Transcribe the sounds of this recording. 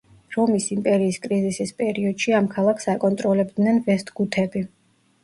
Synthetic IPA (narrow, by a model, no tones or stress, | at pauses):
ɾɔmisimpʼɛɾiːskʼɾizisispʼɛɾiɔd̪̥ʃiamkʰalˠakʰsakʼɔnt̪ʼɾɔlɛbd̪nɛnvɛst̪ʰʼɡut̪ʰɛbi